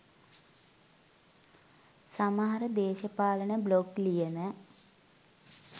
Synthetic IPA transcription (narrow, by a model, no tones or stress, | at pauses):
samaɦaɾəd̪eːʃəpaːlənəbloklijənə